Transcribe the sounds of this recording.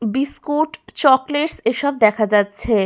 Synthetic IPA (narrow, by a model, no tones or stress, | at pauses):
biskuʈt͡ɕɔkleʈseʃɔb̚d̪ɛkʰad͡ʑatːɕʰe